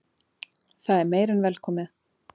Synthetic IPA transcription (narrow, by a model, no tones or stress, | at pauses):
θaðɛɾmeːjɾanvɛlkʰɔːmɪ